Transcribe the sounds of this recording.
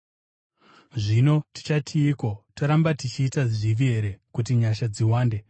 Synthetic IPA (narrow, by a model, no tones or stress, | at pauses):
ʐino̞ti̥t͡ʃatʰiːko̞toɾambatit͡ʃiːtaʐiʋie̞ɾe̞kut̬iɲaʃad͡ziwaːnde̞